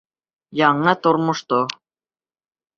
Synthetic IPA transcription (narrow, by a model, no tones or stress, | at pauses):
jɑɴɤt̪ŏɾmʊ̆ʃt̪o